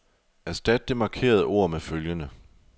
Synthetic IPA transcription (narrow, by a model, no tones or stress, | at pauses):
æɐsd̥æd̥̚ːe̝mɑ̈kʰe̝̰ːɐð̞ˠəʔo̝ɐ̰meføljənə